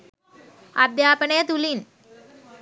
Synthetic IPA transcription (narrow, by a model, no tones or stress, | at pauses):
ad̪jaːpəɳed̪ulin